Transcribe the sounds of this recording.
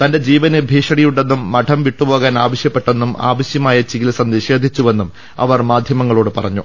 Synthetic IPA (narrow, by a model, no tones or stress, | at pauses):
t̪ɐnde̞d͡ʑiːʋɐnibʱiːʂɐɽijuɽɖe̞nːumːɐʈʰɐmʋiʈːupo̞ːɣaːnaːʋɐɕjɐpːe̞ʈːe̞nːuma̰ːʋɐɕjɐmaːjɐt͡ɕiɣilsɐnd̪iɕe̞ːd̪ʱit͡ɕːuʋe̞nːum | ɐ̰ʋɐrmaːd̪ʱjɐmɐŋːɐɭo̞ːɽɨpɐrɐɲːu